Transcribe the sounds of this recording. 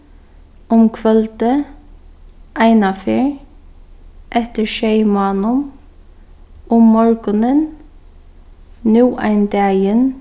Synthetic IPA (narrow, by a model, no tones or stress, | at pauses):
ʊmkʰʋœlt̪ə | ʔæɪnafeːɹ | ʔɛt̪əɹʃeɪmɑːnʊm | ʊmːɔɹɡənən | nuːʔæ̰ɪnd̪ɑːjən